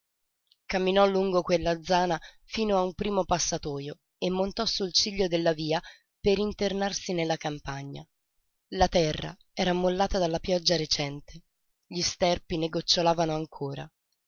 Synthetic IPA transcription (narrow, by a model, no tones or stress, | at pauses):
kamːinɔlːuŋɡokwelːad̪zːaːna | fiːnoaumpɾiːmopasːat̪ɔːjo | emːont̪ɔsːult͡ʃiʎːod̪elːaviːa | peɾint̪ernarsinelːakampaɲːa̰ | lat̪ɛrːa̰ | ɛːɾamːolːaːt̪ad̪alːapjɔd͡ʒːaɾet͡ʃɛnt̪ʰe | ʎist̪ɛrpineɡot͡ʃːolaːvanoaŋkʰoːɾa̰